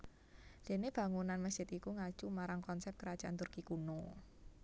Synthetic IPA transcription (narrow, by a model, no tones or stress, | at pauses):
d̪̥e̤neb̥ä̤ŋunanməsd͡ʒɪt̪ikuŋḁt͡ʃumaɾaŋkɔnsɛp̚t̪kəɾad̥ʒ̥aʔant̪urkikuno